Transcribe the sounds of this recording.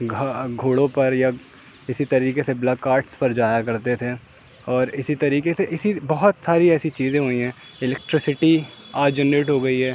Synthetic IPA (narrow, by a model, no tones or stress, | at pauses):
ɡʱaɡʱoːɽõpɐɾja | ɪsit̪ɐɾiːkeseblɐkːaːɾʈspɐɾd͡ʒaːjakɐɾt̪et̪ʰeː | ɔːɾɪsit̪ɐɾiːkeseʔɪsibɐɦʊt̪saːɾiɛːsit͡ʃiːzẽɦoːiɦɛ̃ː | ɪlɛk̚ʈɾɪsɪʈiaːd͡ʒənːeːʈɦoːɡɐiɦɛː